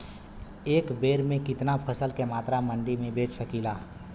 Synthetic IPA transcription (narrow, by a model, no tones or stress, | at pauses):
eːkbeːɾmẽkɪt̪napʰɐsəlkemaːt̪ɾamɐ̃ɳɖimẽbeːt͡ʃsɐkiːlaː